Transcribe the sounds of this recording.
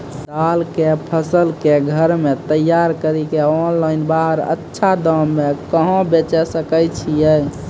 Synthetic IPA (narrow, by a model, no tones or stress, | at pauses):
d̪alkepʰəsəlkeɡʱəɾmet̪əjːaɾkəɾikeɔnlainbaɦəɾə̰tːʃʰad̪əmːekəɦõbet͡ʃɛsəkəjt͡ʃʰijɛ